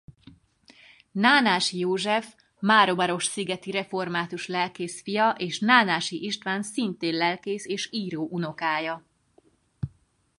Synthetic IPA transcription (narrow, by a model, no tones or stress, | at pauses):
naːnaːʃjoːʒɛf | maːɾo̞bɒɾo̞ʃsiɡɛt̪iɾɛfo̞rmaːt̪uʃlɛlkeːsfijɒʔeːʃnaːnaːʃiʔiʃt̪ʋaːnsint̪eːnlɛlkeːseːʃiːɾoːʔuno̞kaːjɒ